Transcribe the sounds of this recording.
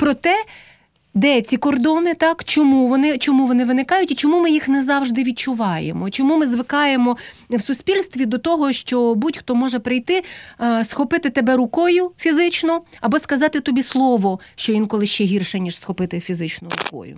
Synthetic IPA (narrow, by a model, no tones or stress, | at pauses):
pɾɔt̪ɛ | d̪ɛt͡sʲikɔrd̪ɔnɪt̪ɑkt͡ʃɔmuʋɔnɪt͡ʃɔmuʋɔnɪʋɪnɪkɑjʊtʲit͡ʃɔmumɪjixnɛzɑwʒd̪ɪʋʲid̪̚t͡ʃʊʋɑjḛmɔt͡ʃɔmumɪzʋɪkɑjemɔ | wsʊsʲpʲilʲst̪ʋʲid̪ɔt̪ɔɦɔʃt͡ʃɔbutʲxt̪ɔmɔʒɛpɾɪjt̪ɪsxɔpɪt̪ɪt̪ebɛɾʊkɔjʊfʲizɪt͡ʃnɔɐbɔskɐzɑt̪ɪt̪ɔbʲislˠɔʋɔʃt͡ʃɔʋʲinkɔlˠɪʃt͡ʃɛɦʲirʃɛnʲiʂsxɔpɪt̪ɪfʲizɪt͡ʃnʊɾʊ̰kɔ̰jʊ̰